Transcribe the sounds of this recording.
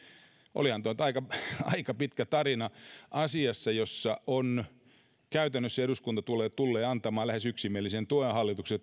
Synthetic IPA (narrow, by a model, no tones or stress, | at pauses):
ʔo̰lihɑnt̪uont̪ɑikɑɑ̰ikɑpit̪kæt̪ɑɾinɑʔɑsiɑsːɑjosːɑʔon | kæyt̪ænːøsːæeɾuskunt̪ɑt̪ulːˑeːtt̪ulːeːɑnt̪ɑmɑːllæhesyksimielːisent̪uiehɑlːit̪ukset̪